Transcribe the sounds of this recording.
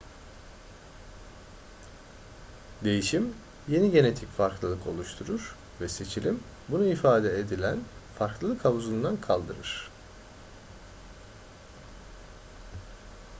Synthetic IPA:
d̪e̞jiʃim | je̞niɟe̞ne̞t̪ʰicfaɾklˠɯlˠɯkʰo̞̰lˠuʃt̪ʰuɾuɾ̥ | vɛse̞t͡ʃʰilʲim | bunuifaːd̪ɛed̪ilʲænfaɾklˠɯlˠɯkʰhavuzuund̪ankʰalˠd̪ɯɾɯɾ̥

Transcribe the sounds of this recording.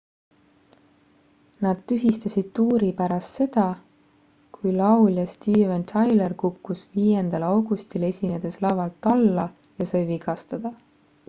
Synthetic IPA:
nɑd̪̥t̪yɦist̪ɑsʲid̪̥̚t̪uːɾipæɾɑst̪se̞d̪̥ɑ | kujlɑwljɑst̪iːvent̪ʰɑjlerkukːusviːjend̪̥ɑlɑwɡ̥ust̪ile̞sʲined̪̥e̞slɑvɑlt̪ːɑlːɑ | jɑsɤjviɡ̥ɑst̪ɑd̪̥ɑ

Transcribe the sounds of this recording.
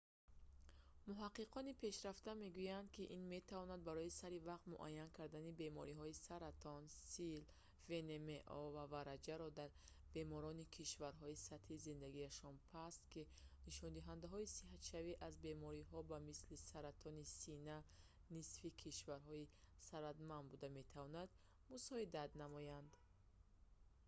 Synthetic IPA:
muɦaqːiqʰɔnipʰe̞ʃɾaft̪ame̞ɡujand̪̚kiʔinme̞t̪ʰavɔnad̪̚baɾɔisaɾivaqt̪mṵʔa̰jːankʰaɾd̪anibe̞mɔɾiɦɔisaɾat̪ʰɔnsil | ve̞nemeʔɔvavaɾad͡ʒaɾɔd̪aɾ | be̞mɔɾɔnikʰiʃvaɾɦɔisat̪hizind̪aɡiaʃɔnpʰast̪kiniʃɔnd̪iɦand̪aɦɔisiɦat̪ʃaviʔazbe̞mɔɾiɦɔbamislisaɾat̪ʰɔnisina | nisfikʰiʃvaɾɦɔi | saɾat̪manbud̪ame̞t̪ʰavɔnad̪ | musɔid̪at̪namɔjand̪

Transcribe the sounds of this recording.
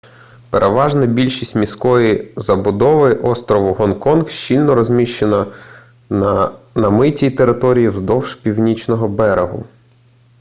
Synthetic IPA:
peɾʔeʋɑʒnɐbʲilʲʃisʲtʲmʲiskɔjizɐbʊd̪ɔʋɪʔɔst̪ɾɔʋʊɦɔnkɔnxʃt͡ʃilʲnɔɾɔzʲmʲiʃt͡ʃenɐ | nɐmɪtʲit̪eɾɪt̪ɔɾʲijiwzd̪ɔwʃpʲiwnʲit͡ʃnɔɦɔbɛɾeɦʊ̰

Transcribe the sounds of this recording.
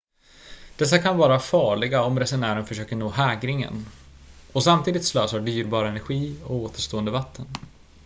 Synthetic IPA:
d̪̥ɛs̬ːakʰanvɑːɾafɑːɭɪɡaɔmɾɛsʊnæːɾənfœʂøːkəɳoːhɛːɡɾɪŋə̰n | ɔsamt̪ʰiːd̪ɪt̪sløːsəɖyːɾbɑːɾaɛnæɾɧiːɔ̰koːt̪ʰəʂt̪oːənd̪əvat̪ʰːən

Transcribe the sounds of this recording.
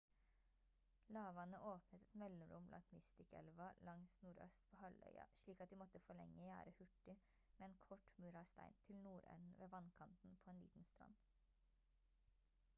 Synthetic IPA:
lɑːʋɑnəʔoːpnət̪ɛt̪mɛlɔmɾʊ̰mblɑ̰nt̪mɪst̪ɪkɛ̰lʋɑlɑŋsnuːɾœ̰st̪pʰoːhɑlœ̰ʏɑ̰ʃɭiːkɑt̪̚d̪iːmɔt̪əfɔɭɛ̰ŋːəjæ̰ːɾəhʉʈɪ | meːeːnkʰɔʈmʉɾɑst̪æ̰ɪnt̪ʰɪlnuːɾœ̰nn̩ʋeːʋɑnkʰɑnt̪n̩pʰoːeːnlḭːt̪n̩st̪ɾɑ̰n

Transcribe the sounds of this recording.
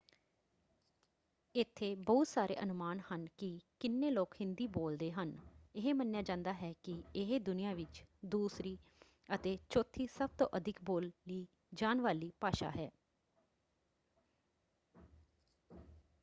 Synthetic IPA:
ɪt̪ʰːeːbɔːt̪saːɾʔḛːʔənʊmaːnhənkɪkɪnːeːloːkhɪ̃nd̪iːboːld̪eːɦənɪɦeːmənjaːd͡ʒãːnd̪aːɦɛːkɪɪɦeːd̪ʊnɪjãːʋɪt͡ʃd̪uːsɾiː | ət̪eːt͡ʃoːt̪ʰːiːsəb̚t̪õ̰ːʔəd̪ʱɪkboːlːiː | d͡ʒaːnʋaːliːpaːʃa̰ːɦɛː

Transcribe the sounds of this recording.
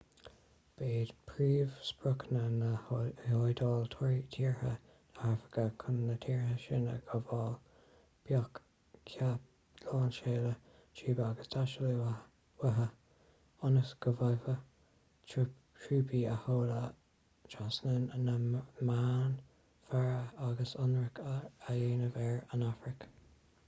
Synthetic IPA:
b̥eːd̪̥pʰɹiːvspɹʊkənənəjojd̪ɑːlt̪ʰɔɹitʰiːɹhə̰ | nəafɹɪ̥kəkʰʊnːətʰiːɹhəʃɪnə̰ɡ̥əvɑːl | b̥jɔk | kʰa | lɑːnʃeːlə | t͡ʃʰiːbəaɡəsd̪ʰaʃəli | wəɦə | ʊnəsɡ̥əvajvə | t͡ʃ | t͡ʃʰɹuːbiəhoːlə | t͡ʃʰasnənənəmaːn | faɹəaɡəsʊnɹəkʰajeːnəvɛɹənafɹɪk

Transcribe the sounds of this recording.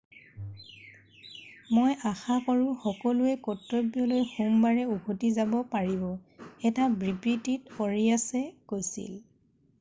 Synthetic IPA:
mojʔaxakɔɹʊxɔkɔlʊɛkɔtɹɔbjɔlojxumbaɹɛuɡotizabɔpaɹibɔɛtabɹipɹititɔɹiasɛkojsḭl

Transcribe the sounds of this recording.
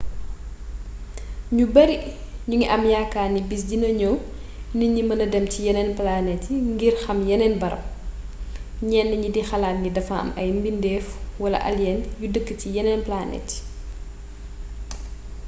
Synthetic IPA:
ɲubɐɾiɲuŋiʔɐmjakːaːnibis̬dinɐɲɔw | niɲimɐnɐdɛmcijɛnɛnplanɛtiŋɡirxɐmjɛnɛnbɐɾɐ̰m | ɲɛnːɐɲidixɐlaːtŋɡidɐfɐɐ̰mɐjmbindɛːfwɐlɐ̰ʔɐ̰ljɛnjudəkːəcijɛnɛnplanɛ̰tː

